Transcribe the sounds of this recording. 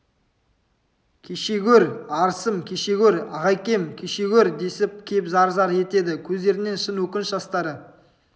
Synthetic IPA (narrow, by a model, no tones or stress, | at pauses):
kʲʰeʃe̞ɡʲɵɾɑɾsəmkʲʰeʃe̞ɡʲɵɾɑ̰ʁɑjkʲe̞mkʲʰeʃeɡʲɵɾd̪e̞sɪp̚kʲʰe̞pzɑɾzɑɾe̞t̪e̞d̪ɪkʲʰɵzd̪e̞ɾɪne̞nʃənwɵkʲɪnʃʒɑst̪ɑɾə